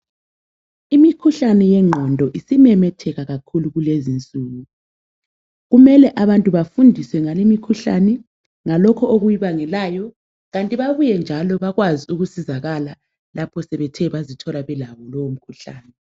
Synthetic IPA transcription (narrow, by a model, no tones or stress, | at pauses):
imikʰuɬanɛjɛŋ͡ǃʱɔndʱɔʔisimɛmɛtʰɛɣaɣakʰuluɣulezint͡sʼuːɣu | ɣumɛlɛʔaβantʼuβafundʱiswɛŋalimikʰuɬa̰nɛ | ŋalɔkʰɔʔoɣujiβaŋɛlajɔ | ɣantʼiβaβujɛnd͡ʒʱalɔβaɣwaziuɣusizaɣala | lapʰɔsɛβɛtʰɛβazitʰɔlaβɛlawɔlɔwom̩kʰuɬa̰ːnɛ